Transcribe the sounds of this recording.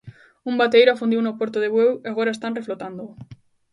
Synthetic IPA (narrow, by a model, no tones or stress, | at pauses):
umbat̪ejɾʊafund̪iwnopoɾt̪oðeβweweaɣoɾaest̪anreflot̪and̪o